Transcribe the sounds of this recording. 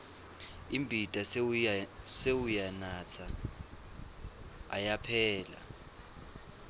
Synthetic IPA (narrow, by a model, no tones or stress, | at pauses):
imbʱid̥ʱʼa | sewujanat͡sʰa | japʰɛːla̰